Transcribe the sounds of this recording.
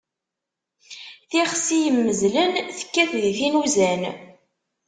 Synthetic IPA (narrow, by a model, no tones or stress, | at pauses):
θiʁsijəmːəzlənθə̥kːæθðiθinuzæn